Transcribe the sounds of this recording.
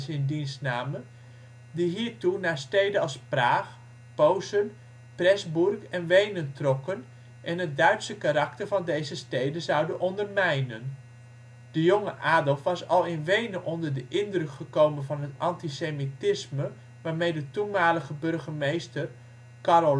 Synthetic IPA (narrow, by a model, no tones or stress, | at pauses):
sɪndinsnaːmə | diɦiːɹtunaːstejdənɑlˠspraːχ | powsən | prɛzburkɛnʋejnəntrɔkən | ʔɛnɦət̚dœɥtsəkaɾɑk̚tərvɑndejzəstejdənzɑwdənʔɔndərmɛjnən | d̥əjoŋəʔaːdəlˠfʋɑsɑ̰lˠɪnʋejnənʔɔndərdəʔɪndrøkχəkowmənvɑnɦətɑntisemitɪsmə | ʋaːɹmejdətunmaːləχəbɵrχəmejstər | karo